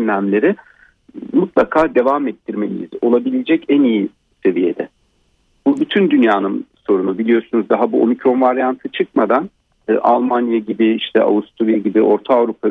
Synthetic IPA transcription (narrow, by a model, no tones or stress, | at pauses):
nlʲæmlʲe̞ɾɪ | mut̪lˠakʰaːd̪e̞vamɛt̪ʰːiɾme̞nʲiḭzo̞lˠabilʲed͡ʒɛcæniji | se̞vije̞d̪ɛ | b̥ubyt̪ʰynd̪ynjaːnɯnso̞ɾunubilʲijo̞ɾsunuzd̪aɦabuʔo̞̰micɾo̞nvaɾjant̪ʰɯt͡ʃʰɯkmad̪anː | ʔalˠmanjaɟibiiʃt̪ʰɛʔa̰vust̪ʰuɾijaɟibiʔo̞ɾt̪ʰaːvɾupʰa